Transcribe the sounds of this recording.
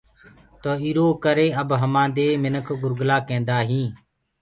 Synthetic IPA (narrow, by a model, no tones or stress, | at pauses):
t̪oːiːɾoːkəɾeːəbɦəmãːd̪eːmɪnəkʰɡʊɾɡlaːkẽːnd̪aːɦĩː